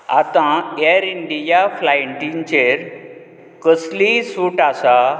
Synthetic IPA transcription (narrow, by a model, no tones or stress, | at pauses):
a̰t̪ãeɾiɳɖijaflaɳʈint͡ɕeɾ | kəslisuʈasa